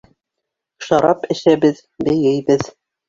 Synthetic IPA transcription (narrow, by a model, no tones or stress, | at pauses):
ʃɑɾɑpɘ̆ʃæβɘð | bɘ̆jɘjbɘð